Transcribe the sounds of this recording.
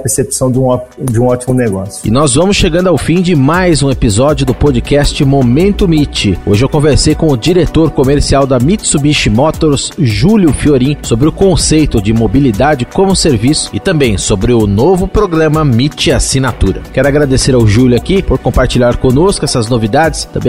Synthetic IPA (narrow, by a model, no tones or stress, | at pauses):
ɐpeɾsepsɐ̃w̃d͡ʒũɔd͡ʒɪũɔt͡ʃimʊneɡɔsjʊɪ̰nɔzvɐ̃mʊsʃeɡɐ̃nd̪ʊawfĩd͡ʒɪmajzũepizɔd͡ʒiʊd̪ʊpod͡ʒikɛst͡ʃɪmomẽnt̪ʊmit͡ʃɪo̰ʒɪewkõveɾsejkõʊd͡ʒiɾet̪oɾkomeɾsiawd̪ɐmit͡ʃsubiʃɪmɔt̪oɾsʒuljʊfioɾĩsobɾɪʊkõsejt̪ʊd͡ʒɪmobilid̪ad͡ʒɪkõmʊseɾvisʊ̥ɪt̪ɐ̃bẽj̃sobɾɪʊnovʊpɾoɡɾɐ̃mɐmit͡ʃɪasinat̪uɾɐ̰kɛɾʊaɡɾad̪eseɾawʒuljʊakipoɾkõpaɾt͡ʃilʎaɾkõnoskʊɛsɐznovid̪ad͡ʒɪst̪ɐ̰̃mbẽ